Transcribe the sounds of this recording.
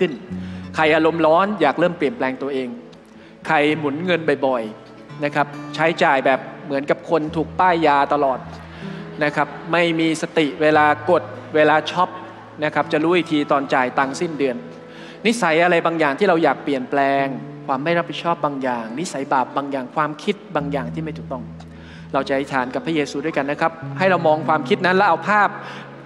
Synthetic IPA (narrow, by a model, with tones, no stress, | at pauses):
kʰɯ˥˩nkʰa˧˩jʔaː˧ɾo˧mlɔː˦˥njaː˨˩k̚ɾɤː˥˩mpli˨˩ənplɛː˧ŋt̪u˧əʔeː˧ŋ | kʰa˧˩jmu˨˩˦nŋɤ˧nba˨˩jbɔ˨˩j | na˦˥kʰa˦˥p̚t͡ɕʰa˦˥jt͡ɕaː˨˩jbɛː˨˩p̚mɯ˩˦ənka˨˩p̚kʰo˧nt̪ʰuː˨˩k̚p̪aː˥˩jːaː˧t̪a˧lɔː˨˩t̪̚ | na˦˥kʰa˦˥p̚ma˥˩jmiː˧sa˧t̪i˨˩ʔweː˧laː˧ko˨˩t̪̚weː˧laː˧t͡ɕʰɔ˦˥p̚ | na˦˥kʰa˦˥p̚t͡ɕa˨˩ɾuː˦˥˩jt̪ʰiː˧t̪ɔː˧nt͡ɕaː˨˩jt̪a˧ŋsi˥˩ndɯ˧ənː | i˦˥sa˩˦jʔa˧ɾa˧jbaː˧ŋjaː˨˩ŋt̪ʰiː˥ɾa˧wjaː˨˩k̚pli˨˩ənplɛː˧ŋkʰwaː˧mːa˥˩jɾa˦˥pʰːi˨˩t͡ɕʰɔː˥˩p̚baː˧ŋjaː˨˩ŋni˦˥sa˩˦jbaː˨˩p̚baː˧ŋjaː˨˩ŋkʰwaː˧mkʰi˦˥t̪̚baː˧ŋjaː˨˩ŋt̪ʰiː˥˩ma˥˩t̪ʰuː˨˩k̚t̪ɔ˥˩ŋ | ɾa˧wt͡ɕa˨˩ha˦˥jt̪ʰaː˩˦nka˨˩pʰɾa˦˥jeː˧suː˧du˥˩əjka˧nːa˦˥kʰa˦˥p̚ha˥˩jɾa˧wmɔː˧ŋkʰwaː˧mkʰi˦˥t̪̚na˦˥nlɛ˦˥ʔa˧wpʰaː˥˩p̚